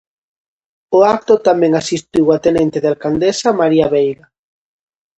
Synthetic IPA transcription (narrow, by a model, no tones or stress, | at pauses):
oak̚t̪ot̪amɛ̃ŋasist̪iwat̪enent̪eðalkand̪esamaɾiaβejɣa